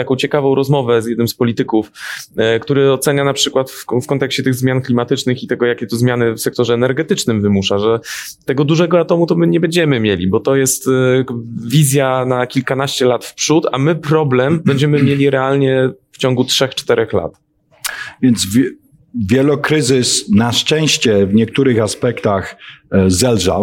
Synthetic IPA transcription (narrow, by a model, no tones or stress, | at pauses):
t̪akɔ̃w̃t͡ɕɛkavɔ̃w̃ɾɔzmɔvɛzjɛd̪nɘmspɔlʲit̪ɘkufkt̪uɾɘɔt̪sɛɲanapʂɘkwat̪ffkɔnt̪ɛkɕt͡ɕɛt̪ɘɣzmʲjanklʲimat̪ɘt͡ʂnɘxit̪ɛɡɔjakʲɛt̪ɔzmʲjanɘfsɛk̚t̪ɔʐɛːnɛɾɡɛt̪ɘt͡ʂnɘmvɘmuʂaʐɛ | t̪ɛɡɔd̪uʐɛɡɔat̪ɔmut̪ɔmɘɲɛbɛɲd͡ʑɛmɘmʲjelʲḭbɔt̪ɔjɛst̪ | vʲizʲjanakʲilkanaɕt͡ɕɛlat̪fpʂut̪a̰mɘpɾɔblɛmbɛɲd͡ʑɛmɘmʲjelʲiɾɛalɲɛft͡ɕɔŋɡutʂɛxt͡ʂt̪ɛɾɛxla̰t̪ | vʲjɛnd̪zvʲ | vʲjɛlɔkɾɘzɘsnaʂt͡ʂɛ̃w̃ɕt͡ɕɛvɲɛkt̪uɾɘxaspɛkt̪axzɛlʐa̰w